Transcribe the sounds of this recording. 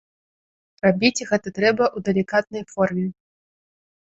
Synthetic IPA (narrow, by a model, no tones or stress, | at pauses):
rabʲit͡sʲɣɛt̪ɐt̪ɾɛbɐʔud̪ɐlʲikat̪̚nɐjfɔrmʲɛ